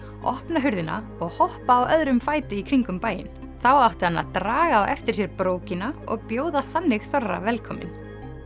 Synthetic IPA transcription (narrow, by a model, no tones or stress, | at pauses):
ʔɔ̰hpnaɦʏɾðɪna̰ | ɔɣhɔhpaːwʔœðɾʏmfaːjt̪ɪikʰɾiŋkʏmpaːjɪ̰n | θawawht̪ɪ̥hanːa̰t̪ɾaːɣaːwʔɛ̰ft̪ɪɾ̥s̬jɛɾpɾoːwcɪnaɔ̰ɣpjoːwðaθanːɪɣθɔrːa̰vɛlkʰɔmɪ̰n